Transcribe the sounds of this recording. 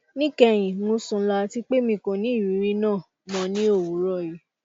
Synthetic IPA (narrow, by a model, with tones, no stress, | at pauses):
nĩ˦kɛ˧j̃ĩ˨ŋũ˨˦sũ˧˦la˧ti˦k͡pe˦mĩ˧˨ko˧˨nĩ˨˦i˦˨i˨˦ɾi˧˦nãː˦˨ | mɔ̃˧˦nĩ˦o˦˨wu˨˦ɾɔ˦˨ji˨˦